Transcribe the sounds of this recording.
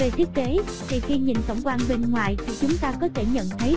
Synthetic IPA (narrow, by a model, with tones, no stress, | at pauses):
ve˨˩t̪ʰi˦˥ək̚ke˨˦ | t̪ʰi˨˩xi˧ɲḭ˨˩nkə̰˧˩wŋ͡mkwaː˧nɓe˧nŋwa̰ː˧˨jt̪ʰi˨˩t͡ɕʊ˨˦ŋ͡mt̪aː˧kɔ˨˦t̪ʰe˧˩ɲə̰˧˨nt̪ʰə˨˦j